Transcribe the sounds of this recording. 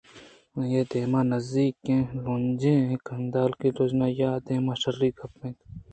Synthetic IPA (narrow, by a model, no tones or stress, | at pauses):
jeːd̪eːmãːnɐzd̪iːkẽːlõːnd͡ʒẽːẽkɐnd̪aːlkiɾod͡ʒnaːjaːd̪eːmaːʃɐɾːiːkʰɐpːẽːt̪